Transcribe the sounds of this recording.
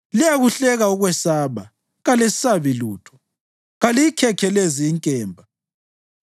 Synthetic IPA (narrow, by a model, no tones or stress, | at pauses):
lijaɣuɬɛɣauɣwɛsaːβa | ɣalesi̥saβiluːtʰɔ̥ | ɣaliikʰɛkʰɛleziːŋkʼɛːmbʱa